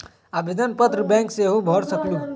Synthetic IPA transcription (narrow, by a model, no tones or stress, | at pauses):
abʱid̪ənpət̪ɾəbɛ̃ŋkseɦubʱɔɾsəklu